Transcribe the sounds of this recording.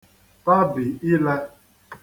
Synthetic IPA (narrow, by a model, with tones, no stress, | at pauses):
pa˦bɪ˨i˦lɛ˦